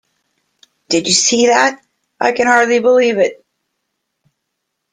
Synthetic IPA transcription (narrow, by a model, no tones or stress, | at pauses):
d̥ɨd͡ʒɨsiðæt̚ | ʔaɪkɨ̃nhɑɹdˡlibəlivɪt̚